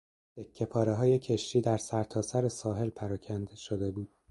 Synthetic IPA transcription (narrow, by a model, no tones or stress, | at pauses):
jekʰːe̞pʰɒːɾe̞ɦɒːje̞cʰeʃt̪iːd̪æɾsæɾt̪ʰɒːsæɾe̞sɒːɦe̞lpʰæɾɒːcʰænd̪ʃod̪e̞buːd̪̥̚